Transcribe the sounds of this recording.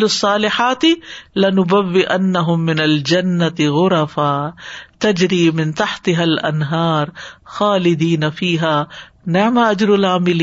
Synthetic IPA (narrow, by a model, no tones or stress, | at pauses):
lsˤːɑːlɪħaːt̪ɪlɪnʊbawːɪʔanːaɦʊmːɪnald͡ʒanːat̪ɪɣʊɾˤɑfaːt̪ad͡ʒɾiːmɪnt̪aħt̪ɪɦalʔa̰nɦɑːɾˤxaːlɪd̪iːnafiːɦaː | nɪʕmaʔad͡ʒɾʊlʕaːmɪlː